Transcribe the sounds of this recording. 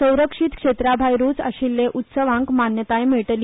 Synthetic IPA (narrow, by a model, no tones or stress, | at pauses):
ə̃w̃ɾəkʂit̪kʂet̪ɾabʱajɾut͡sə̰ɕilːeʔut̪səʋãŋkmanjət̪ajmeɭʈəl